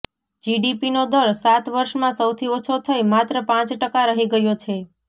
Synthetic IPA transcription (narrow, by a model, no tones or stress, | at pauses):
d͡ʒiɖipinod̪əɾsat̪ʋəɾʃmãsəwt̪ʰiot͡ʃʰot̪ʰəjmat̪ɾəpãt͡ʃʈəkaɾəɦiɡəjot͡ʃʰe